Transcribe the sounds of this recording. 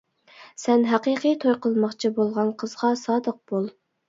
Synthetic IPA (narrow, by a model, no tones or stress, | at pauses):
sɛnɦæqiqijt̪ʰojqəlˠmɑχt͡ʃʰibolˠʁɑnqʰəzʁɑsɑːd̪əq̚b̥olˠ